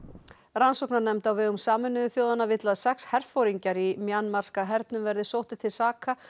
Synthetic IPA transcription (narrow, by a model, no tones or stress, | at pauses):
ɾansowknaɾnɛmt̪awvɛːɣʏmsaːmʏnːʏðʏθjoːwðanavɪt̪laðsɛkshɛr̥fowɾiɲcaɾimjanːmaɾ̥skaɦɛɾt̪nʏmvɛɾðɪsowht̪ɪt̪ʰɪlsaːkʰa